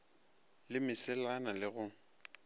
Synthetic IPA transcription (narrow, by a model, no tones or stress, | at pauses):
lɪmɪsɛlanalɪɣʊŋ̩